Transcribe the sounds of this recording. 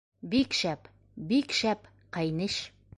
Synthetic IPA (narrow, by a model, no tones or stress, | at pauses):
bikʃæp | bikʃæp | qɑjnɘʃ